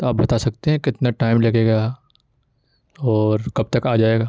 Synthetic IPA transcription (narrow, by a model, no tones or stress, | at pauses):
t̪oaːp̚bɐt̪asɐk̚t̪eɦɛ̃kɪt̪naʈaːɪmleːkeɡɐja | ɔːɾkɐb̚t̪ɐkaːd͡ʒaːeːɡaː